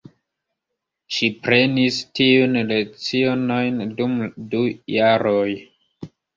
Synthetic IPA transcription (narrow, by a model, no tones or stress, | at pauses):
ʃipɾe̞nistiunle̞kt͡sionojndumdujaɾoj